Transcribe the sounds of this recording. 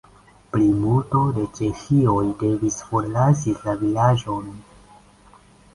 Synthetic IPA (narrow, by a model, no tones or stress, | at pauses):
plimulto̞de̞t͡ʃe̞xio̞jde̞visfo̞ɾlasilavilad͡ʒo̞n